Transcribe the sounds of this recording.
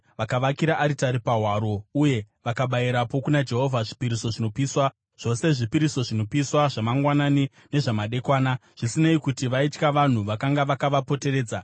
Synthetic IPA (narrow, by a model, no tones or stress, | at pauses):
ʋakaʋakiɾaʔːɾitaɾipaɦwaɾo̞uje̞ | ʋakaɓajiɾapo̞kunad͡ʒe̞ɦo̞vʱaʐipiɾiso̞ʐino̞piːswa | ʐ̥o̞se̞ʐipiɾiso̞ʐino̞piswaʐamaŋɡwanani | ne̞ʐamaɗe̞kwaːnaʐ̥isineikutiʋaitkaʋan̤uʋakaŋɡaʋakaʋapo̞te̞re̞ːd͡za